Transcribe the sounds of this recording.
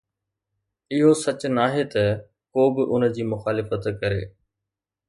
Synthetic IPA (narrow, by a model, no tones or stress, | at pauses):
ɪɦosɐt͡ɕnaːɦet̪ɐ | koːbɪʔʊnəd͡ʑiːmʊxaːlɪfət̪kɐɾḛː